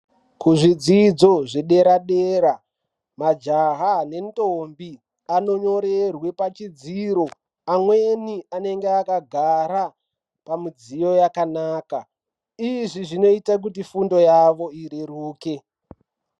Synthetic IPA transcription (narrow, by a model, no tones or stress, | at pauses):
kuʐid͡zid͡zo̞ʐeɗe̞ɾaɗeːɾa | mad͡ʒaɦane̞ntombi | ano̞ɲo̞ɾe̞rwe̞pat͡ʃid͡ziːɾo̞ | amwe̞niane̞ŋɡeakaɡʱaɾa | pamud͡zijo̞jakanaːka | iʐiʐino̞itak̬utifundo̞jaʋo̞iɾeruːke̞